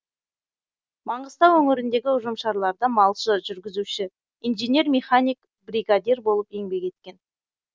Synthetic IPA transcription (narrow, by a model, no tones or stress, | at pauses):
mɑɴɢəst̪ɑwɵŋɪɾɪnd̪e̞ɡʲɪʊʒəmʃɑɾlˠɑɾd̪əmɑlˠʃəʒʏɾɡʲɪzuʃɪ | inʒenʲe̞ɾmʲeχanʲijk | briɡad̪ʲerbo̞lˠəpe̞ŋbe̞kʲe̞t̪̚kʲe̞n